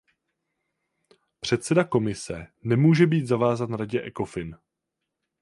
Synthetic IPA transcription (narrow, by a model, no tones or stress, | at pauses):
pr̝̥ɛt̪sɛdako̞mɪsɛ̰nɛmuːʒɛbiːt̪zavaːzanɾaɟɛʔɛko̞fɪn